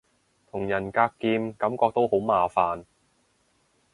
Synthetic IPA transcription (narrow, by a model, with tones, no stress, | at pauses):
t̪ʰʊ˨˩ŋjɐ˨˩nkaː˧kːiː˧mkɐ˨˥mkɔː˧k̚t̪o˥who˨˥wmaː˨˧faː˨n